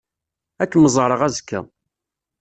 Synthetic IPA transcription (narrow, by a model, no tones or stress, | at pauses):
ækːməzˤəɾˤəʁæzkːæ̰